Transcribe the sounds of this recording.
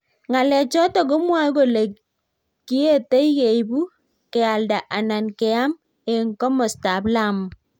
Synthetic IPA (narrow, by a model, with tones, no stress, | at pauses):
ŋa˨lɛ˨t͡ʃɔ˦tɔ˨k̬o˦mwa˦ko˨le˨ | ki˦e˦te˦ije˨ibu˦ | kɛ˨a˨lda˨ʔa˨na˨nkɛ˨a˦m | e˨ŋkɔ˦mɔ˨sta˨bla˦m˨